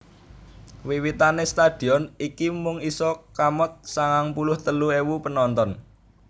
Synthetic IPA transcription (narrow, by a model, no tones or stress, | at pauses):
wiwit̪anest̪ad̥i̤ɔnikimʊŋisɔkamɔt̪̚saŋaŋpulʊht̪əluewupənɔnt̪ɔn